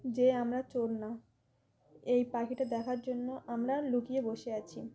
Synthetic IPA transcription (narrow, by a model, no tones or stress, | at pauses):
d͡ʑeamɾat͡ɕoɾna | ejpakiʈad̪ɛkʰaɾd͡ʑonːoʔamɾalukieboʃeat͡ɕʰi